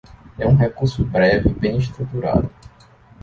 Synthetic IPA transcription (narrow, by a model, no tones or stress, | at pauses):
ɛũɦekuɾsʊbɾɛvɪbẽj̃ist̪ɾut̪uɾa̰d̪ʊ